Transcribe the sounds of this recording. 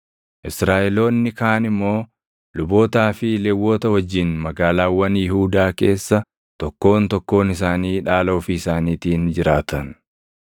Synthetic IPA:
ʔɪsɾaːʔɛlo̞ːnːɪkaːnɪmːo̞ː | lʊbo̞ːt̪aːfɪleːwːo̞ːt̪ɐwɐd͡ʒːɪnmɐɡaːlaːwːɐnjɪhuːd̪aːke̞ːsːɐ | t̪ɔkːo̞ːnt̪ɔkːo̞ːnɪs̬aːniːᶑaːlo̞ːfɪɪsaːniːt̪iːnd͡ʒɪɾaːt̪ʰɐn

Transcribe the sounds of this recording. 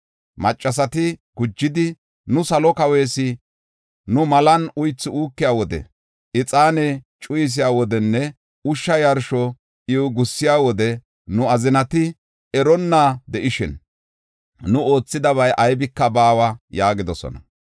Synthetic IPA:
mɐt͡ʃʼːɐsɐt̪ɪɡ̥ʊd͡ʒːɪd̪ɪ | nʊsɐlɔkɐwe̞ːsɪ | nʊmɐlɐnʊjt͡sːɪuːkːɪjaːwɔd̪ɛ̰ | ʔɪt͡sʼaːneː | t͡ʃʼʊjɪs̬ɪjaːwɔd̪ɛnːɛ | ʊʃːɐjɐɾʃɔ | ʔɪʊɡʊsːɪjaːwɔd̪ɛ | nʊɐzɪnɐt̪ɪ | ɛɾɔnːaːd̪ɛʔɪʃɪn | nʊʔo̞ːt͡sːɪd̪ɐβɐjʔɐjbɪkːɐbaːwɐjaːɡɪd̪ɔsɔ̰nɐ̰

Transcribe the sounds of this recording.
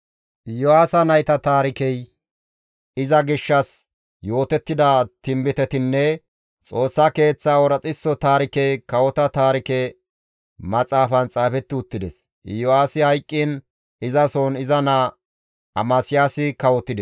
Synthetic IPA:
jɔaːsɐnɐjt̪ɐt̪aːɾɪkɛj | ɪzɐɡɪʃːɐs | jo̞ːt̪ɛt̪ːɪd̪ɐt̪ɪmbɪt̪ɛt̪ɪnːɛ | t͡sʼo̞ːsːɐke̞ːt͡sːaːwɔɾɐt͡sʼɪsːɔt̪aːɾɪkɛkɐwɔt̪ɐt̪aːɾɪkɛ | mɐt͡sʼaːfɐnt͡sʼaːfɛt̪ːɪʊt̪ːɪd̪ɛs | jɔaːsɪhɐjkʼːɪn | ɪzɐsoːnɪzɐnɐ | ɐ̰masɪjaːsɪkɐwɔt̪ːɪd̪ɛs

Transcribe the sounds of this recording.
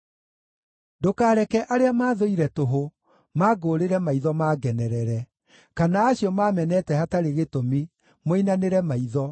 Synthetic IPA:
dokaːɾɛkɛʔaɾeamaːðoiɾɛtoɦo | maːɡoːɾeɾɛmaiðɔmaːɡɛnɛɾɛɾɛ | kanaːɕiɔmamɛnɛtɛhataɾeɣetomi | moinaneɾɛmaiðɔ

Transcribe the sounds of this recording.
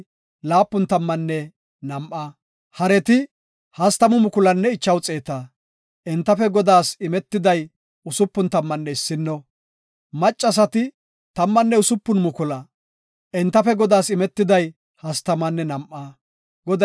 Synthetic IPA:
laːpːʊnt̪ɐmːɐnːɛ | nɐmʔa | hɐɾɛt̪ɪ | hɐst̪ɐmʊmʊkʊlɐnːɛɪt͡ʃːɐwt͡sʼeːt̪aː | ʔɛnt̪ːɐfɛɡɔd̪aːsɪmɛt̪ːɪd̪ɐj | ʊsʊpːʊnt̪ɐmːɐnːɛɪsːɪnːɔ | mɐt͡ʃʼːɐs̬ɐt̪ɪ | t̪ɐmːɐnːɛʊsʊpːʊnmʊkʊlɐ | ʔɛnt̪ːɐfɛɡɔd̪aːsɪmɛt̪ːɪd̪ɐj | hɐst̪ɐmɐnːɛnɐmʔaː | ɡɔd̪ɐ

